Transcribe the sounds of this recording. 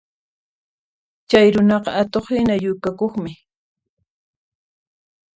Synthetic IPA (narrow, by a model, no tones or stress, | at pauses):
t͡ʃajɾʊnɑqɑat̪oχhɪnajʊkakoχmɪ